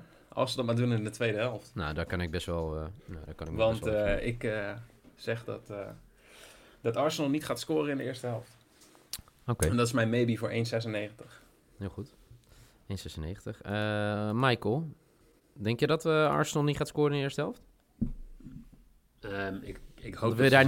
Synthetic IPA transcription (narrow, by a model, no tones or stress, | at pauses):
ɑ̰lˠsədɔtmaɹdunɪndətʋejdəɦɛlˠftnawdɔkɑnɪɡ̚bɛstʋɛlˠnodɔkɑnɪk̚ʋɑnntɪk | sɛχdɔt | dɑtɑɹsənəlˠnitχaːtskʊːrəɪndəɪːɹstəɦɛlˠft | okeɛndɔtɪsmɛjnmejbivʊːɹʔejnsɛs̬ənejχəntəχ | hɪːlˠχut | ejnsɛsənejχəntəχəmɛjkəlˠ | dɛŋkjədɔtəɑ̰ɹsənəlˠnitχaːtskoːrənɪndəɪːɹstəɦɛlˠft | əɪɪkhodɔəədaː